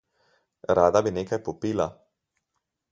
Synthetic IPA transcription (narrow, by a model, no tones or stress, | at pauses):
ɾaːd̪abineːkajpɔpiːla